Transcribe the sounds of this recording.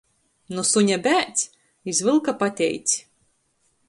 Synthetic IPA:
nusuɲʲabʲæːt̪sʲ | izvɨlˠkapat̪ʲɛ̰jt̪sʲi̥

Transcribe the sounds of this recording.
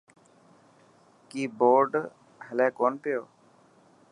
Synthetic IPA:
kiːboːɾɖ | ɦəlɛːkoːnpɪjoː

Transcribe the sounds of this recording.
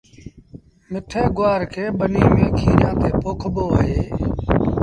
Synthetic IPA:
mɪʈʰeːɡʊaːɾkʰeːɓəniːmẽːkʰiːɾjãːt̪eːpʊkʰɓoːɦeː

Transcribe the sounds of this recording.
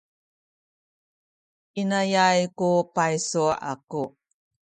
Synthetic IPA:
ʔinajajkupajsua̰ku

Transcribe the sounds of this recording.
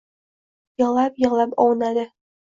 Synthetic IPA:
jɒlˠɑpjɒlˠɑpɒwnad̪ɘ

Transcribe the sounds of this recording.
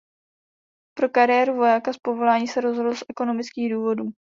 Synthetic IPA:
pɾo̞kaɾɪjɛɾuvo̞jakaspo̞vo̞laːɲiːsɛɾo̞zɦodl̩sʔɛko̞no̞mɪt͡skiːɣduːvo̞duː

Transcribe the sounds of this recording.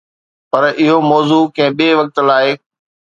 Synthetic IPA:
pɐɾɪɦomɔːzuːkɛ̃ɦɪ̃ɓieːʋɐk̚t̪laːɪ

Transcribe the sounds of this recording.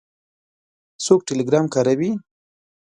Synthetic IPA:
sok̚ʈeleɡɾɑmkaɾawi

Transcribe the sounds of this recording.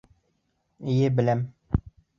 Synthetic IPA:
ijɘbɘ̆læm

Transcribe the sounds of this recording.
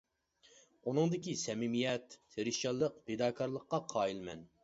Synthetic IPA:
unɨŋd̪ɪkʲisɛmɪmijɛt̪ːʰeɾɪʃɑlˠəq̚pʰed̪ɑːkʰɑɾlˠəqːɑqʰɑːjilmɛ̰n

